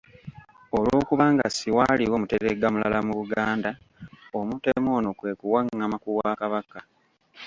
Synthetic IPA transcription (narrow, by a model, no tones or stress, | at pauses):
o̞lwo̞kuβaːŋɡa̰siwaliwomuteɾeɡamula̰lamuβuɡaːnda | omutemo̞ːno̞kwe̞kuwaŋːamakuwakaβaka